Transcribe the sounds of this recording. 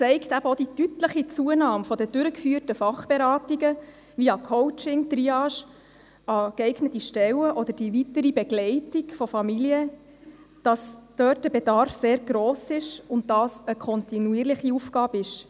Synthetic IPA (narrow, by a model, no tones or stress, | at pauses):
t͡sɛɪktæb̥əod̥itytləχit͡suənɑːmfɔdəd̥ʏɾəkfyːərtəfɑχb̥eɾɑːtiɡə | ʋiɑkʰɔwt͡ʃɪŋt̪riɑʃ | ɑkɛɪɡnətiʃtɛwəʔɔd̪əɾd̥iʋitəɾibɛɡlɛɪtiɡfɔfɑmiliə | d̥ɑsd̥œːt̚d̥əbedɑɾfseːɾɡɾoːsɪʃʊnt̚d̥ɑːsəkʰɔntinuiːɾlɪχiufɡɑːbɪʃ